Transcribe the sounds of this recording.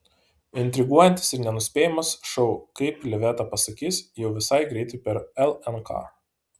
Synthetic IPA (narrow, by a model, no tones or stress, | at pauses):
ɪnʲt̪ʲɾʲɪɡuɔjɛnʲt̪ʲɪ̥sɪɾnʲɛnʊsʲpʲeːjɪmɐsʃɔʊkɐɪplʲɛʋʲɛːt̪ɑpɐsɐkʲiːsjɛʊʋʲɪsɐɪɡɾʲɛɪt̪ʊɪpʲɛɾɛlˠɛnkʰɑ̰ː